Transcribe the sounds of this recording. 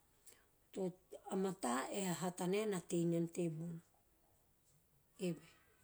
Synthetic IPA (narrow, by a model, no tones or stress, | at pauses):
toamataʔeaɦataneanatejnantebun | ewe